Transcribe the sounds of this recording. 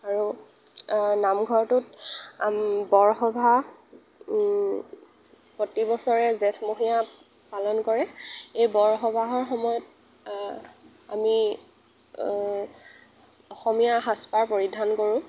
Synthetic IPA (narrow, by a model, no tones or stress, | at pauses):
aɹu | namɡʱɔɹtʊtambɔɹxɔbʱa | pɔtibɔsɔɹɛzɛtʰmoɦija | palɔnkɔɹɛejbɔɹxɔbʱaɦɔɹxɔmɔjɔt̚ | a̰mi | ɔxɔmijaɦaspaɹpoɹidʱankoɹʊ̃